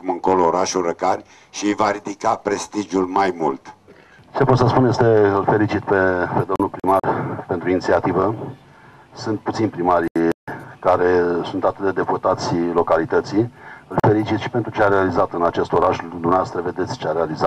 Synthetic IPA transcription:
kumɨŋko̞loːɾaʃulrəkarʲ | ʃiɨjvaɾid̪ikapɾe̞st̪iʒulmajmṵlt̪ | t͡ʃepot̪səspunjest̪eɨlfe̞lit͡ʃit̪pe̞pe̞d̪o̞mnulpɾimarpe̞nt̪ɾuinit̪siat̪ivə | sɨnt̪̚put̪sinpɾimaɾ | kaɾe̞sunt̪at̪ɨt̪̚d̪e̞d̪e̞put̪at̪sʲlo̞kalit̪ət̪siɨlfe̞ɾit͡ʃit̪ʃi̥pe̞nt̪ɾut͡ʃeaɾealizat̪ɨnat͡ʃe̞st̪o̞ɾaʃd̪umneavast̪ɾəve̞d̪e̞t̪sʲt͡ʃeaɾealizat̪

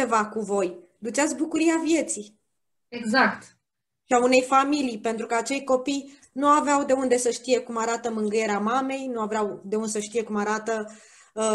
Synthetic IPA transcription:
evakuvo̞j | d̪ut͡ʃat̪̬ʲk̚bukuɾiavje̞t̪si | eɡzakt̪ | ʃiaune̞jfamilijpe̞nt̪ɾukəat͡ʃe̞jko̞pij | nuaveawd̪e̞und̪e̞səʃt̪ije̞kumaɾat̪əmɨŋɡɨje̞ɾeamame̞jnuaveawd̪e̞und̪esəʃt̪ije̞kumaɾat̪ə

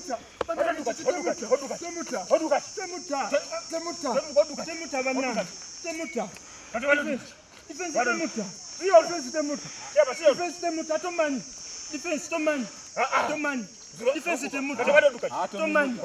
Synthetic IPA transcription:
ta | amamutatɛmutatɛmutatɛmutatɛmutaβanaŋ | tɛmuta | ifɛ | difɛnsitɛmuta | difɛnsitɛmutaifɛnsitɛmutatɔmanidifɛnsi̥tɔmani | atɔmani | difɛnsitɛmutatɔmani

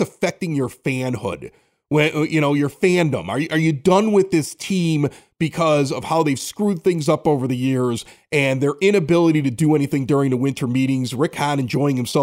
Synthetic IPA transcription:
ɨfɛk̚tɪ̃ŋjə˞fæ̃nhʊ̰d̥̚ | wɨjʔɨɾ̃oʊjə˞fæ̃ndə̰̃mə̰˞ʔə˞jɨdʌ̃nwɪðɪstʰĩmb̥ɨkʰʌzʌv̥haʊðeɪv̥skɹʉd̪̚θɪ̃ŋzʌpoʊvə˞ðɨjɪɹzʔɨ̃nðə˞ʔɪ̃ñɨbɪlˠəɾiɾɨdɨɛñiθɪ̃ŋdʊɹɪ̃ŋðəwɪ̃ntʰə˞miɾɪ̃ŋzɹɪkhæɾɨ̃nd͡ʒɔɪ̃ɪ̃ŋhɨ̃msɛ

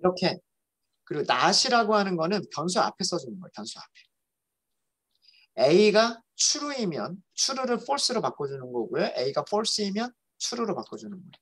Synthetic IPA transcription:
iɾʌkʰe̞ | kɯɾiɡonaɕʰiɾaɡoɦanɯnɡʌnɯnpjʌns̬ʰua̰pʰe̞s͈ʌd͡ʑunɯnɡʌjopjʌnsʰua̰pʰe̞ | e̞iɡa | t͡ɕʰuɾuimjʌnt͡ɕʰuɾuɾɯɭpʰʌɭs͈ɯɾopak͈od͡ʑunɯnɡʌɡojoʔe̞iɡaɸʰʌɭs͈ɯimjʌn | t͡ɕʰuɾuɾopak͈od͡ʑunɯnɡʌ

